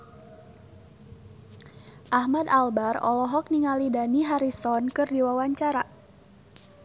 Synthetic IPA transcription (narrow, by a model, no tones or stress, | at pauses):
ʔahmadalbarɔ̰lɔɦɔk̚niŋalidaniɦaɾisɔnkɨrdiwawaɲt͡ʃaɾa